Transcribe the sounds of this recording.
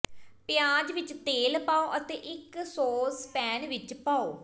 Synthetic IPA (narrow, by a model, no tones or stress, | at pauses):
pɪjaːd͡ʒʋɪt͡ʃt̪eːlpaːoʔət̪eːʔɪksoːspɛːnʋɪt͡ʃpaːoː